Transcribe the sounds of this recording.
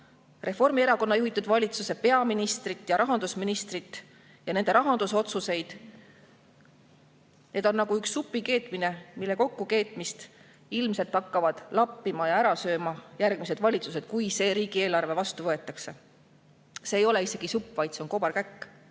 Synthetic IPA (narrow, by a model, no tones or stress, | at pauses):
re̞fo̞rmie̞ɾɑko̞nːɑjuɦit̪ːˑud̪̥vɑlʲit̪suse̞pe̞ɑminist̪rit̪ːˑjɑɾɑɦɑnd̪usminist̪rit̪ːˑ | jɑne̞nd̪̥e̞ɾɑɦɑnd̪̥uso̞t̪suse̞jd̪̥ | ne̞ːd̪̥o̞nːɑɡ̥uyksːupːˑike̞ːt̪ˑmine̞milːe̞ko̞kːuke̞ːt̪ˑmist̪ | ilmse̞lt̪ːɑkːɑvɑd̪̥lɑpːimɑjɑæɾɑsø̞ːmɑjærɡ̥mis̬e̞d̪̥vɑlʲit̪suse̞d̪̥̚kujse̞ːɾiːɡ̥ie̞ːlɑrve̞vɑst̪uvɤe̞t̪ːˑɑkse̞ | se̞ːjo̞le̞ise̞ɡ̥isupːˑvɑjd̪̥se̞o̞nko̞bɑɾkækː